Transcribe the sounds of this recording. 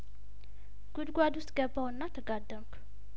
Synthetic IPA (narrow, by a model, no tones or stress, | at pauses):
ɡ̥ud̪ɡʷad̪usɡɐbawnːat̪ʰɐɡad̪ɐmk